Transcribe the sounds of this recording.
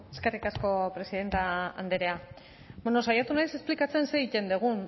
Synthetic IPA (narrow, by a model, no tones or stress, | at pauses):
eske̞rikasko̞pɾe̞siðe̞nt̪aa̰nd̪eɾe̞a | beno̞sajat̪unajse̞splikat͡se̞nse̞it̪e̞nd̪eɣ̞un